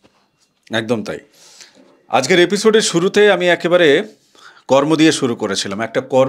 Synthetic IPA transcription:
ɛk̚d̪omt̪a̰j | a̰d͡ʑkeɾepisoɖeɾʃuɾut̪eamiɛkebaɾe | kɔɾmod̪ieʃuɾukoɾet͡ɕʰilamɛk̚ʈakɔɾ

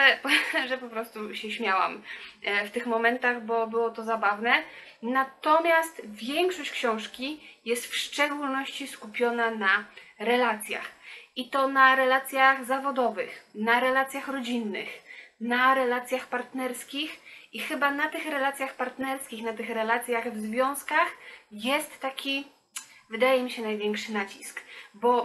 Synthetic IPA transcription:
ɛpʐɛpɔpɾɔst̪uɕɛɕmʲjawa̰mft̪ɘxmɔmɛnt̪aɣbɔɔbɘwɔt̪ɔzabavnɛ | nat̪ɔmʲjast̪vʲjɛŋkʂɔɕt͡ɕkɕɔ̃w̃ʂkʲijɛst̪fʂt͡ʂɛɡulnɔɕt͡ɕiskupʲjɔnanaɾɛlat̪sʲja̰xit̪ɔnaɾɛlat̪sʲjaɣzavɔd̪ɔvɘ̰xnaɾɛlat̪sʲjaxɾɔd͡ʑinːɘ̰xnaɾɛlat̪sʲjaxpaɾt̪nɛɾskʲixʔixɘbanat̪ɘxɾɛlat̪sʲjaxpaɾt̪nɛɾskʲixnat̪ɘxɾɛlat̪sʲjaɣvzvʲjɔ̃w̃skaxjɛst̪ːakʲi | vɘd̪ajɛmʲiɕɛnajvʲjɛŋkʂɘnat͡ɕiskbɔ

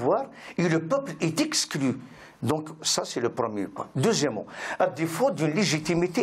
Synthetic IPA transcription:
waʁeləpœplɛt̪ɛkskly | d̪ɔ̃ksasɛləpʁəmjḛpwa̰d̪øzjɛmːɑ̰̃ad̪efod̪ynleʒit̪imit̪e

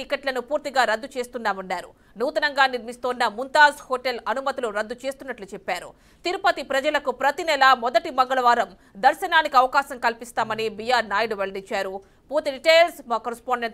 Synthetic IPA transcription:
ikɐʈlɐnupuːɾt̪iɡaːɾɐd̪ːut͡ʃe̞ːst̪unːaːmunːaːɾṵ | nuːt̪ɐnɐŋɡaːniɾmist̪oːnːɐmunt̪aːzhɔːʈelɐnumɐt̪iluɾɐd̪ːut͡ʃeːst̪unːɐʈlut͡ʃɛpːaːɾṵ | t̪iɾupɐt̪ipɾɐd͡ʒɐlɐkupɾɐt̪inɛlɐmɔd̪ɐʈimɐŋɡɐɭɐʋaːɾɐm | d̪ɐɾʃɐnaːnikiɐʋɐkaːʃɐmkɐlpist̪aːmɐnibijaːɾnaːjɖʋeɭɐɖiɲt͡ʃaːɾu | puːɾt̪iɖiʈeːlsmaːkɐɾispaːɳɖeɳ

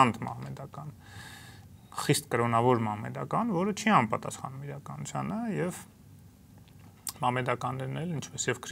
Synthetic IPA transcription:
nd̪ʰmɑ̰hmɛd̪ɑkɑn | χist̪kəɾɔnɑvɔɾmɑhmɛ̰d̪ɑkɑnvɔɾət͡ʃʰiɑnpɑt̪ɑ̰sχɑ̰numiɾɑkɑnut͡sʰjɑnəjɛv | mɑhmɛd̪ɑkɑnːɛɾnɛlint͡ʃʰpɛsjɛvkʰɾ

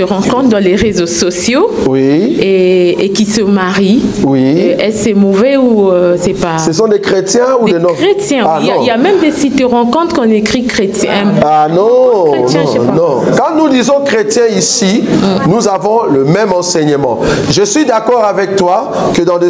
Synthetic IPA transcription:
əʁɑ̃kɔ̃t̪χd̪ɑ̃leʁezosɔsjowieekisəmaʁiwiʔɛssɛmovɛuøsɛpasəs̬ɔ̃d̪ekχet̪jɛ̃udd̪eɔ̃et̪jɛ̃l̃jamɛ̃md̪esit̪əʁɑ̃kɔ̃t̪χkɔ̃nekχikχet̪jɛ̰̃anɔ̃eɔ̃ɛpanɔ̃kɑ̃nud̪izɔ̃kχet̪jɛ̃isinuzavɔ̃ləmɛmɑ̃sɛɲəmɑ̰̃ʒəsɥid̪akɔʁavɛk̚t̪wa | kəd̪ɑ̃d̪e

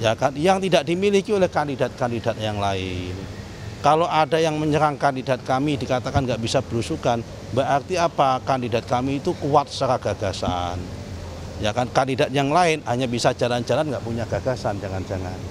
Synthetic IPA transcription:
jakanjaŋt̪idaʔdimilikiolɛhkandidat̪̚kandidat̪̚jaŋlaɪn | kaloʔadajaŋməɲəɾaŋkandidat̪̚kamidikat̪akanɡaʔb̥isab̥əɾusukan | bəʔart̪iapakandidat̪̚kamiːt̪ukuat̪̚səɾaɡ̥aɡ̥asa̰n | jakankandidat̪̚jaŋlaɪnhaɲabisad͡ʒaland͡ʒalanɡaʔpuɲaɡ̥aɡ̥asand͡ʒaŋand͡ʒaŋa̰n

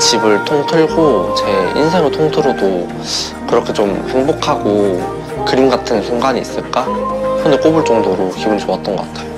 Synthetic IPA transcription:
t͡ɕibɯɭtʰoŋtʰɯɭɡot͡ɕe̞ḭnsʰeŋetʰoŋtʰɯɾodo | kɯɾʌkʰe̞t͡ɕomheŋbokʰaɡo | kɯɾinɡatʰɯnsʰuŋɡaɲiːs͈ɯɭk͈akʌndek͈obɯɭt͡ɕ͈ʌŋdoɾokibunt͡ɕoat͈̚ʌnɡʌk͈atʰao

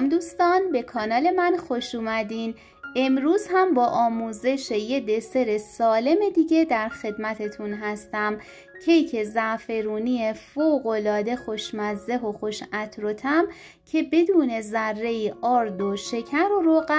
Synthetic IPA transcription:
md̪uːst̪ɒːnbe̞kʰɒːnɒːle̞mænxoʃuːmæd̪iːn | e̞mɾuːzhæmbɒːʔɒːmuːze̞ʃe̞je̞d̪e̞se̞ɾe̞sɒːle̞me̞d̪iːɟe̞d̪æɾχe̞d̪mæt̪ʰe̞t̪ʰunɦæst̪æm | cʰejcʰe̞zæʔfe̞ɾuːniefoɣo̞lɒːd̪e̞xo̞ʃmæzːe̞ɦo̞xoʃæt̪ʰɾot̪ʰæm | cʰe̞be̞d̪uːne̞zærːe̞iʔɒːɾd̪oʃe̞cʰæɾoɾoɣæ

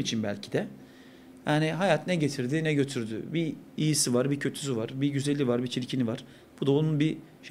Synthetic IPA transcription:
mit͡ʃʰinbælʲcʰid̪ɛ | jaːniɦajat̪nɛɟe̞t̪ʰiɾd̪inɛɟø̞t̪ʰyɾd̪y̰biijisivaɾbicʰø̞t̪ʰy̥s̬yvaɾbiɟyze̞lʲivaɾbit͡ʃʰiɾcʰinivaɾ̥ | b̥ud̪aonunbi | ʃ

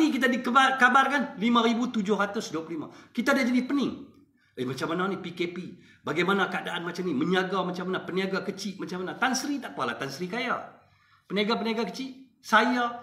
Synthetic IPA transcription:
ikit̪adikəbakabarkanlimaɾibut̪ud͡ʒʊhɦɾat̪ʊsduaplulima̰kit̪aːdad͡ʒadipənɪŋ | əmat͡ʃamananipikepi | baɡajmanakəadaʔanmat͡ʃamniməɲaɡamat͡ʃamanapəniaɡakət͡ʃɪʔmat͡ʃamanat̪ansəɾit̪aʔkəala̰t̪ansəɾikaja̰ | pəniaɡap̬əniaɡakət͡ʃɪʔ | saja

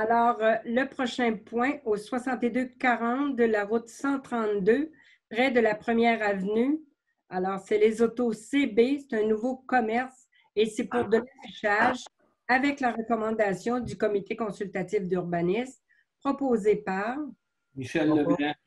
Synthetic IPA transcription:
alɔːʁləpχɔʃɛ̃pwɛ̃oswasɑ̃t̪ed̪økaʁɑ̃t̪d̪əlaʁʊt̪sɑ̃t̪χɑ̃t̪d̪ø | pʁɛd̪əlapχəmjɛːʁavny | alɔːʁsɛlezot̪osebese̥t̪ɛ̃nuvokɔmɛʁs | esɛpuʁd̪əlafiʃaʒ | avɛklaʁəkɔmɑ̃d̪asjɔ̃d̪ykɔmit̪ʰekɔ̃sylt̪at̪ifd̪yʁbanism | pχɔpozepaʁ | miʃɛlːəɛ̃

